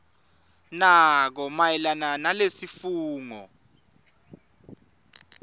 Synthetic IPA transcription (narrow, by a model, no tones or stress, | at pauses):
nak̬ɔmajɛlananalesifuːŋɔ̰